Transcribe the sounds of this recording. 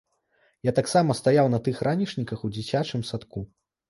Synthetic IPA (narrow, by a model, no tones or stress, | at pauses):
jat̪aksamɐst̪ajawnɐt̪ɨxrʔanʲiʂnʲikɐxud͡zʲit͡sʲat͡ʂɨmsat̪ku